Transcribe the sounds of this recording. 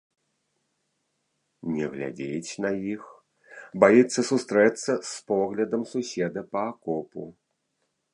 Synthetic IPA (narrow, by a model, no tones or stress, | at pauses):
nʲɛɣlʲa̰d͡zʲet͡sʲnɐjix | bajit̪sːɐsust̪ɾɛt̪sːɐspɔɣlʲɐd̪ɐmsusʲɛd̪ɐpɐːkɔpṵ